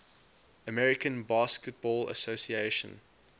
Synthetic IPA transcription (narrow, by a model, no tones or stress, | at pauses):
əmɛɹɪkə̃nbɑskət̚b̥ɔːlə̰sosieʃə̰̃n